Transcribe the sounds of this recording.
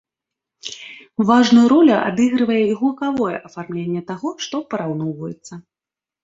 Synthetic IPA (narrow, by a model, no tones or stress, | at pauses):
vaʐnujuɾɔlʲuʔa̰d̪ɨɣɾɨvɐjɛiɣulˠɐkavɔjɛ̰ʔɐfarmlʲenʲːɛt̪aɣɔʂt̪ɔpɐɾawn̪ɔwvɐjɛt̪sːɐ